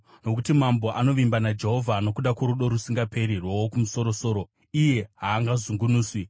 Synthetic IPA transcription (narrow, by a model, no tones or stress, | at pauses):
no̞kutimambo̞ʔano̞ʋimbanad͡ʒe̞ɦo̞vʱaːno̞kuɗakoɾuɗo̞ɾusiŋɡape̞ɾirwowokumuso̞ɾo̞so̞ːɾo̞ | ije̞ɦaːŋɡazuŋɡunuːswi